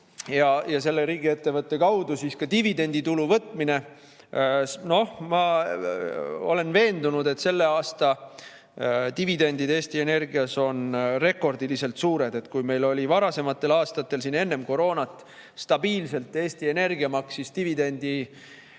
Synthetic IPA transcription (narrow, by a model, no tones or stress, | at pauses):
jɑjɑse̞lːeɾiːɡ̥ie̞t̪ːe̞vɤt̪ːe̞kɑwd̪usiskɑt̪ivid̪e̞nʲd̪̥it̪uluvɤ̞t̪ːˑmine̞ | no̞hmɑ | o̞le̞nve̞ːnd̪unud̪e̞t̪se̞lːe̞ɑːst̪ɑ | t̪ivid̪e̞nʲd̪id̪e̞ːst̪ie̞ne̞rɡiɑso̞nre̞kːˑo̞rd̪̥ilise̞lt̪suːɾe̞d̪e̞t̪kujme̞jlo̞lʲivɑɾɑse̞mɑt̪ːˑe̞lɑːst̪ɑt̪ːe̞lsine̞nːe̞mko̞ɾo̞ːnɑt̪ːˑ | st̪ɑbiːlse̞lt̪ːˑe̞ːsʲt̪ie̞ne̞rɡiɑmɑksist̪ivid̪e̞nʲd̪̥i